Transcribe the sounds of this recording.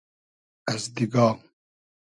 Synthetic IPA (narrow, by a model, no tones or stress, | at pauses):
ɐzd̪iɡaːm